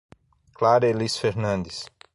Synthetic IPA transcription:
klaɾelisfeɾnɐ̃nd̪ɪs

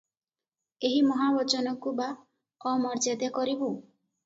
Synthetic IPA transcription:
eɦimɔɦabɔt͡ʃɔnɔkuba | ɔmɔɾd͡ʒed̪ekɔɾibu

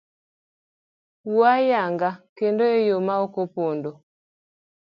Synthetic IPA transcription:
wajaŋɡakendoejomaokopondo

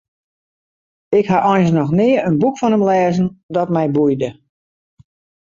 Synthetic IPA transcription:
ɪkhaʔɔjnsnɔxnɪəənbukfɔnəmlɛːzəndɔtmɛjbujdə

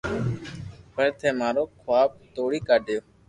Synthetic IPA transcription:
pəɾt̪ʰeːmaːɾoːkʰoaːb̚t̪oːɽiːkaːɖʱjoː

